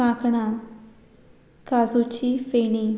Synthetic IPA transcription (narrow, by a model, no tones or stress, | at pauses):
ãkɳa | kazut͡ɕifeni